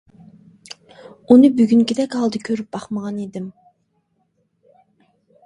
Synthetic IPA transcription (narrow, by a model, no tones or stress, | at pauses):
unɨbyɡʲyŋkʲid̪ɛkʲɑlˠd̪ɨkʲʰøɾyp̚bɑχməʁɑned̪ɪm